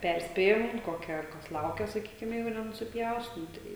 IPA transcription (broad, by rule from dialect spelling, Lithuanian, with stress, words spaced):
ˈpʲɛrʲsʲpʲeːjɛm ˈkoːkʲɛ ˈkɐs ˈlˠɐʊkʲɛ sɐˈkʲiːkʲɪm ˈjɛɪɡʊ nʲɛnʊsʲɪˈpʲjɛʊs nʊ ˈtɐɪ